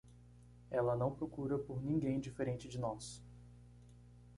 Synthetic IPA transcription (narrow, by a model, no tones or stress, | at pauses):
ɛlɐnɐ̃w̃pɾokuɾɐpoɾnĩŋɡẽj̃d͡ʒifeɾẽnt͡ʃɪd͡ʒɪnɔs